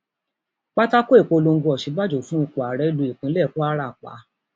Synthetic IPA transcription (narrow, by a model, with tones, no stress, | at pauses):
k͡pa˦ta˦ko˦e˦˨k͡po˧lo˧ŋ̩˦ɡo˧ɔ˨ʃi˨˧˦ɡ͡ba˦d͡ʒo˨˦fũ˦i˧k͡po˨a˨ɾɛ˨˦lu˨˦i˨k͡pĩ˨˦lɛ˦˨ko˦a˦ɾa˦˨k͡pa̰˨˦